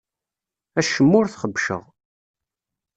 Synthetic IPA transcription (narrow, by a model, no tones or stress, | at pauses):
æʃəmːʊɾθχəbːʃə̰ʁ